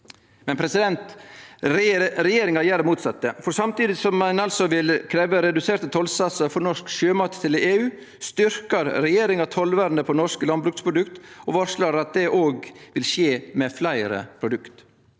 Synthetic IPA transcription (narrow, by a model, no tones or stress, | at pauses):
mɛnpʰɾɛsɪd̪ɛnt̪ɾɾɛjeːɾɪŋɑjæːɾəmuːt̪sɑt̪ːəfɔɾsɑmt̪iːd̪ɪsɔmɛnɑlsɔʋɪlkʰɾeːʋəɾɛd̪ʉseːɾt̪ət̪ʰɔlsɑsəɾfɔɾnɔʂkʃøːmɑt̪t̪ʰːɪleːʉː | st̪ʏɾkɑɾɾɛjeːɾɪŋɑt̪ʰɔlʋæɾnəpʰɔnɔʂkəlɑnbɾʉkt̪spʰɾʊd̪ʉkt̪ʔɔʋɑɾʂɭɑɾɾɑt̪̚d̪ɛʔoːɡʋɪlʂeːmɛflæɪɾə̰pʰɾʊd̪ʉkt̪